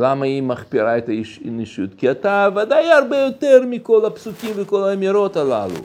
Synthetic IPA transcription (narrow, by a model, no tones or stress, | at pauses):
lamaimaχpiɾaet̪aiʃiniʃut̪kiat̪avad̪ajaɾbejo̞t̪eɾmiko̞lapsukʲimveko̞lamiɾot̪ala̰lṵ